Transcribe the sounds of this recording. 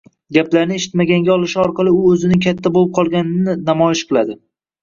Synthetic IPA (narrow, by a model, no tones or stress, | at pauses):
ɡʲaplaɾnɪeʃɪ̥t̪maɡʲaŋɡʲaɒlˠɪʃɪɒɾqɑlˠɪʊɵzɪnɪŋkʲʰat̪ʰːabolɪp̚qʰɒlˠɡʲanɪnɪnamɒjɪʃqʰɨlˠad̪ɪ